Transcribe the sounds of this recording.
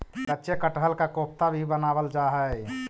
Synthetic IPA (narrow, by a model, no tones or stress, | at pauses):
kətːʃʰekəʈɦəlkakop̚t̪abʱibənaːbəld͡ʒaɦə